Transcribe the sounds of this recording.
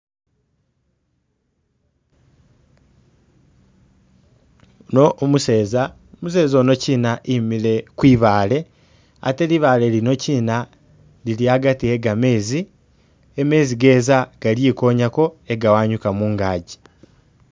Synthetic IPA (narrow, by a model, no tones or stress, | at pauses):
nomuseːza | omuse̞ːzono̞ciːnaʔimile̞kwiːβaːle̞ | a̰te̞liβaːle̞lino̞ciːna | liliaɡatie̞ɡame̞ːzi | eme̞ziɡe̞ːzaɡ̥aljiko̞ːɲako̞e̞ɡawaːɲukamuːŋɡaːɟi̥